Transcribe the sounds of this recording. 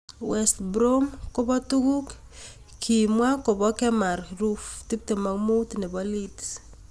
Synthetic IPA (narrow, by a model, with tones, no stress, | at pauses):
wɛstbɾomko˦bɔ˦tu˦ku˦k | kʰimwa˦ko˨bɔ˦kɛ˦ma˨ɾɾufti˦p̚te˨ma˨ŋmu˦tnɛ˨bɔlit